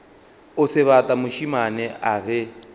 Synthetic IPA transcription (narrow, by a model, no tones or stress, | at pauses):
ʊsɪβatʼamʊʃimanɛaɣɛ